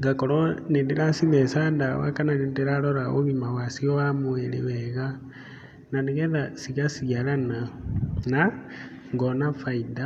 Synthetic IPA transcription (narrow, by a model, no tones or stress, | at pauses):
ŋɡakoɾonendiɾasinɛsandawa̰kananindiɾaɾoɾao̰βimawasioamuelewɛɣa | naniɣɛðasiɣasialananaŋɡɔnafaida